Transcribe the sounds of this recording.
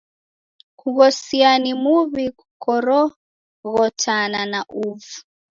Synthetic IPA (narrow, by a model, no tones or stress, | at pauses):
kuɣɔsianimuβiku̥kɔɾɔ | ɣɔtʰananaʔuvu